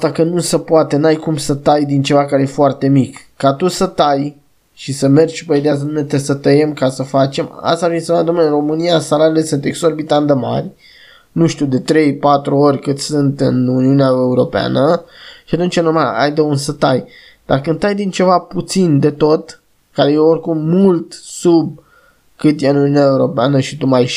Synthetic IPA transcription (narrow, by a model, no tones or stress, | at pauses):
at̪akənusəpoat̪e̞najkumsət̪ajd̪int͡ʃe̞vakaɾeje̞foart̪e̞mikːat̪usət̪aj | ʃisəme̞ri̥pəid̪eas̬ənunet̪esət̪əje̞mkasəfat͡ʃe̞ma̰st̪aɾfinsemnad̪omeɨro̞mɨnijasalaɾile̞sɨnt̪e̞ɡso̞rbit̪and̪əma̰rʲ | nuʃt̪iud̪e̞t̪ɾe̞jpat̪ɾuo̞ɾʲkɨt̪ʲsɨnt̪ɨnuniuneae̞uɾo̞pea̰nəʃiat̪unt͡ʃanumaa̰jd̪əunsət̪aj | d̪̥arkɨnd̪ajd̪int͡ʃe̞vaput̪sind̪e̞t̪o̞t̪ | kaɾe̞jeorkumːult̪sub̚ | kɨt̪jeɨnuniunaeuɾo̞peanəʃit̪umaj